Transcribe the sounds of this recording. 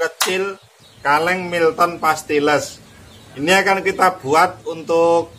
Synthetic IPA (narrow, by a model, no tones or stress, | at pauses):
kət͡ʃɪl | kalɛŋmilt̪ɔnpast̪iləs | iniakankit̪ab̥uat̪̚unt̪ʊk̚